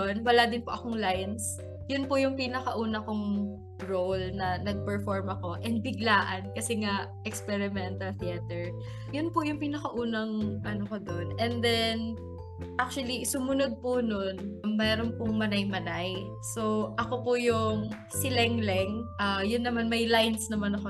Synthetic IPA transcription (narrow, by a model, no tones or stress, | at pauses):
nwɐlad̪ɪnpoʔɐko̞ŋlajɐns | jʊnpʊjʊŋpinɐkɐʔuːnɐkoŋ | ɹowlnɐnɐɡ̚pɛɹfoɹmʔɐko̞ʔɛnd̪̚bɪɡlaːʔɐnkɐsɛŋaʔʔɛkspɛɹɪmɛnt̪ɐlθiɛt̪ɛɹ | jʊnpʊjʊŋpiːnɐkɐʔuːnɐŋʔɐnokɐd̪onʔɛnd̪ɛn | ʔak̚t͡ʃʊwɐlisʊmʊnod̪̚pʊnonɐmmɛːɾonpʊŋmɐnajmɐnaj | so̞ʔɐko̞pʊjʊŋ | sɪlɛŋlɛŋʔajʊnːɐmanmɐjlajnsnɐmanɐko